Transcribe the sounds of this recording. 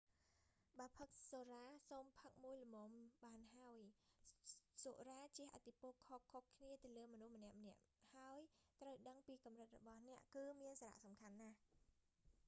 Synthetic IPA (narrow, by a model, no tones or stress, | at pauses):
ɓaːpʰək̚soːraːsoːmpʰək̚muəjlɔmoːmɓaːnɦaəj | soʔraːt͡ɕiəʔat̪ʰːipŏəlkʰokʰːokʰːniət̪ɨləːmɔnuhmənɛ̆əʔmənɛ̆əʔ | haəjt̪rəwɗəŋpiːkɑmrɨt̪̚rɔ̰ɓɑhnɛ̆əʔkɨːmiənsaːɾa̰ʔsɑmkʰanːah